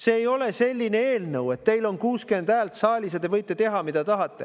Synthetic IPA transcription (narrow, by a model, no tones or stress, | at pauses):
se̞ːjo̞le̞se̞lʲːine̞eːlnɤwe̞t̪ːe̞jlo̞nkuːske̞nd̪æːlt̪sɑːlʲis̬jɑd̪e̞vɤjt̪ːˑet̪e̞ɦɑmid̪̥ɑt̪ɑɦɑt̪ːe̞